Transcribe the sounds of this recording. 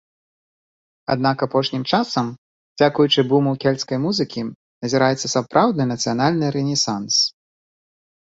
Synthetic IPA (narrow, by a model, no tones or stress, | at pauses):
a̰d̪nakapɔʂnʲimt͡ʂasɐm | d͡zʲakujut͡ʂɨbumuwkʲɛlʲskɐjmuzɨkʲi | nɐzʲiɾajɛt̪sːɐsapɾʔawd̪nɨnɐt̪sɨjanalʲnɨɾɛnʲɛsans